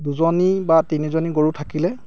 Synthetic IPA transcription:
duzɔnibatinizoniɡoɹutʰakilɛ

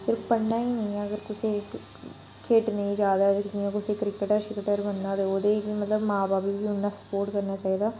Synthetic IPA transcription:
sɪɾəfpəɳnãːiːnə̃ĩɛ̃ːəɡəɾkʊseː | kʰeːʈnə̃ĩːd͡ʒaːd̪aːd͡ʒijãkʊseːkɾɪkəʈəːʃɪkəʈəɾbənːaːt̪eoːd̪eːbiːmət̪ləbmãːbaːpibiːɦʊnːaːsə̥poːɾʈkəɾnaːt͡ʃaːiːd̪aː

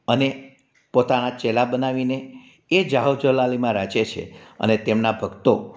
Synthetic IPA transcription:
əne | pot̪anat͡ʃelabənaʋine | ed͡ʒaɦoʋd͡ʒəlalimãɾat͡ʃet͡ʃʰḛə̰net̪emnabʱəɡt̪o

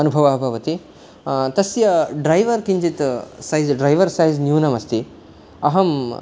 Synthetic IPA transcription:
ɐnubʱɐʋɐɦbʱɐʋɐt̪i | t̪ɐsjɐɖɾajʋɐɾkind͡ʒit̪sajzɖɾajʋɐɾsajznjunɐmɐst̪i | ɐɦɐm

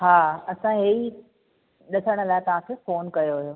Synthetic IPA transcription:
ɦaːɐsãɦei | ɗɐsəɽ̃ə̆laːɪt̪ɐʋ̤ãkʰefoːnkɐjoɦʊjoː

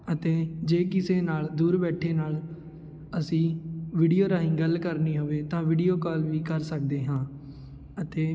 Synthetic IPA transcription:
ət̪eːd͡ʒeːkɪseːnaːld̪uːɾbɛːʈʰːeːnaːl | əsĩːʋiːɖijoːɾaːĩːɡəlkəɾniːɦoʋeːt̪ãːʋɪɖijoːkɔːlʋiːkəɾsəkd̪eːɦãː | ət̪eː

